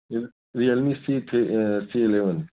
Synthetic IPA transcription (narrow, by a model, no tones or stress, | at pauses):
ɾiɐlmisit̪ʰesiːleʋən